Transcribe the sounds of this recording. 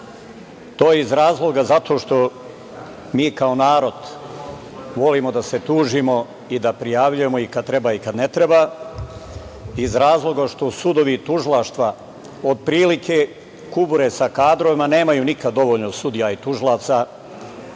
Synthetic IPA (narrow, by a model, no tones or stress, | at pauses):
t̪o̞ːjeizɾaːzlˠo̞ɡazat̪ʰo̞ʃt̪o̞ | miːkao̞naːɾo̞d̪ | ʋo̞limo̞d̪ase̞t̪uːʒimo̞ | id̪apɾijaːʋʎujemo̞ikad̪̚t̪ɾe̞baikad̪ne̞t̪ɾeba | izɾaːzlˠo̞ɡaʃt̪o̞sud̪o̞ʋit̪uʒilˠaʃt̪ʋa | od̪̚pɾiːlikʰe̞ | kubuɾe̞sakaːd̪ɾo̞ʋimane̞ːmajunikad̪ːo̞ʋo̞ʎnosud̪ijait̪uʒilˠaːt̪sa